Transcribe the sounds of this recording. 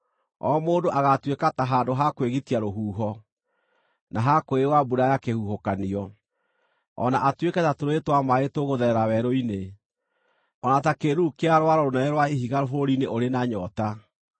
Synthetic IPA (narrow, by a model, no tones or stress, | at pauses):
ɔ̰moːdoʔaɣatwekataɦaːndoɦakweɣitiaɾoɦuːɦɔ | naɦakoewabuɾajakehuɦokaniɔ | ɔ̰naʔatwekɛtatoɾoetwamaetoɣoðɛɛɾawɛɾoine | ɔnatakeɾukeaɾowaɾɔɾonɛnɛɾwaehiɣaɾofoɾɾineʔoɾenaɲɔta